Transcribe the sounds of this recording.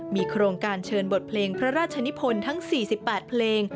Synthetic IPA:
miː˧kʰɾoː˧ŋkaː˧nt͡ɕʰɤː˧nbo˨˩t̪̚pʰleː˧ŋpʰɾa˦˥ɾaː˥˩t̪̚t͡ɕʰa˧ni˦˥pʰo˧nt̪ʰa˦˥ŋsiː˨˩si˨˩pːɛː˨˩t̪̚pʰleː˧ŋ

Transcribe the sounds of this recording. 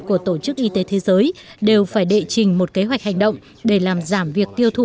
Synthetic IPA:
ku˧˩ət̪o˧˩t͡ɕɨ˦˥k̚ʔi˧t̪e˨˦t̪ʰe˨˦zəː˨˦jɗe˨˩wfaː˧˩jɗḛ˧˨t͡ɕï˨˩ŋ̟mo˨˩t̚ke˨˦ɦwa˨˩k̟̚ha˨˩jŋ̟ɗə̰˧˨wŋ͡m | ɗe˧˩laː˨˩mzaː˧˩mvi˨˩ək̚t̪i˧əwt̪ʰu˧˩

